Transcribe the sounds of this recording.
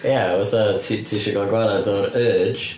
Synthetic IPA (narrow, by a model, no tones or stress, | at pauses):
jawaθatʰitʰiːʃɛɡɔlɡwaɾadɔɾə̥ːd͡ʒ